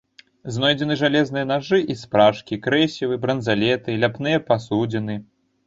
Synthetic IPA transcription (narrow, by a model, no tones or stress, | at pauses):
znɔjd͡zʲɛnɨʐalʲɛzn̪ɨjɐnaʐɨʔispɾaʂkʲikɾɛsʲivɨbɾɐnzalʲɛt̪ɨlʲapnɨjɐpasud͡zʲɛnɨ